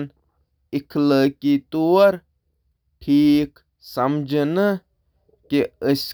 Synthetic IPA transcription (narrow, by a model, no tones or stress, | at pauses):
n | ikʰləːkit̪uːɐɾ | ʈʰiːk | sɐmd͡ʒʱnɨ | kiəsʲ